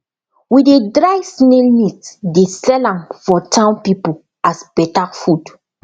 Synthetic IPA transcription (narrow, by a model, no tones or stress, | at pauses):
widedɹajsnelnitdesɛlãmfɔtʰãʊ̃npipul | asb̥ɛtafud